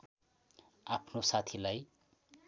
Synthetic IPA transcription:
apʰnosat̪ʰilaj

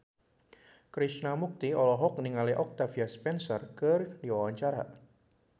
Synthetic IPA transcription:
kɾisnamuk̚t̪iɔlɔɦɔk̚niŋaliʔɔk̚t̪afiaspɛnsɔrkərdiwawaɲt͡ʃaɾa̰

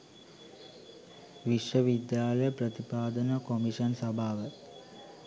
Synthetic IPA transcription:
ʋiʂʋɐʋid̪jaːlɐjɐprɐt̪ipaːd̪ɐnɐkomiʂɐnsɐbʱaːʋə

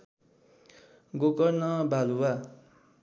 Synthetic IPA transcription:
ɡokʌrnʌbʱaluwa

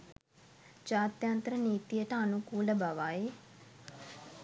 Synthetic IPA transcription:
t͡ʃaːt̪jant̪ɾəniːt̪ijəʈəɐnukuːləbaʋaːe

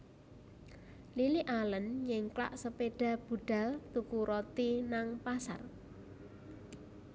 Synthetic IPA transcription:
liliʔalənɲɪŋkla̰ʔsəpeɖ̥a̤b̥ṳɖ̥a̤lt̪ukuɾot̪inaŋpasa̰r

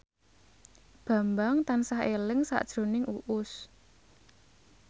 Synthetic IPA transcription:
b̥a̤mbaŋt̪ansaɦelɪŋsa̰ʔd̥ʒ̥ɾo̤nɪŋʔuʔʊs

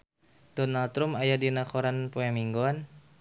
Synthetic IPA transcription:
d̥ɔnalt̪ɾumajadinakɔɾanpoɛmiŋɡɔn

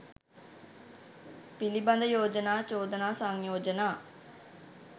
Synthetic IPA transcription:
piliband̪əjoːd͡ʒənaːt͡ʃoːd̪ənaːsaŋjoːd͡ʒənaː

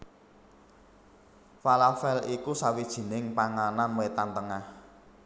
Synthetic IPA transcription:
falafɛlikusawid̥ʒ̥i̤nɪŋpaŋananmet̪ant̪əŋah

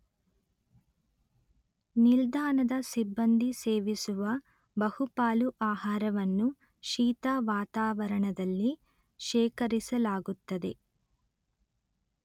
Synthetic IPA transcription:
nild̪aːnɐd̪ɐsibːɐnd̪ʱiseːʋisuʋɐ | bɐhupaːluʔaːɦaːɾɐʋɐnːu | ʃiːt̪aːʋaːt̪aːʋɐɾɐɳɐd̪ɐlːi | ʃɛːkɐɾisɐlaːɡut̪ːɐd̪e̞̰

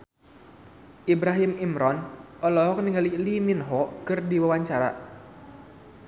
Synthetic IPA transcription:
ʔibɾaɦimimɾɔnɔlɔɦɔk̚niŋaliliminɦɔkɨrdiwawaɲt͡ʃaɾa̰

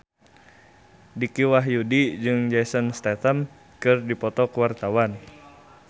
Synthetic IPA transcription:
dikiwaɦjudid͡ʒɨŋd͡ʒasənst̪ɛt̪əm | kɨrdipɔt̪ɔkəwart̪awan

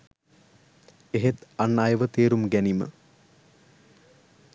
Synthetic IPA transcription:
eɦet̪anːajəʋət̪eːɾumɡænimə̰

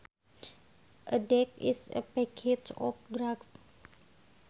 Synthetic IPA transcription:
ʔədɛkḭsə̰pɛkʰet͡ʃɔ̰fɡɾaɡs

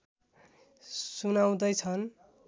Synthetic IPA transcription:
sunaw̃d̪ʌjt͡sʰʌn

